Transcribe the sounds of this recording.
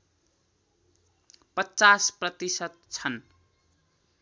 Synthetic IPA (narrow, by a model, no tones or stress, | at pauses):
pʌt͡sasprʌt̪isʌt̪̚t͡sʰʌn